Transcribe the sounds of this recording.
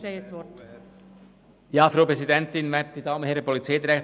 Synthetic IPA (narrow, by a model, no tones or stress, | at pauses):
eɛt͡sʋɔt | jɑːfɾoːpɾɛsidɛntɪnvɛt̚d̪̥iːd̪ɑːmənhɛɾəpʰɔlit͡saɪd̪iɾɛ